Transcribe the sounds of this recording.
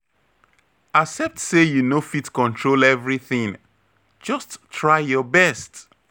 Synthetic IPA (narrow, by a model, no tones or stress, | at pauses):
aksɛp̚tsejunofitkɔ̃ntʰɹolɛvɹiθĩŋ | d͡ʒʌsttːɹaɪjɔbɛst